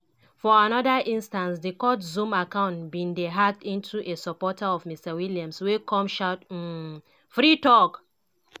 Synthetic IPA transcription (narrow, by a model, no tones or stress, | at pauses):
fɔanɔdaʔĩnstãnsdikɔtzũmakãʊ̃ntbĩndeɦak̚tĩntʰuʔesɔpɔtaɔvmistawiljãmswekʰɔ̃mʃat | fɹitɔk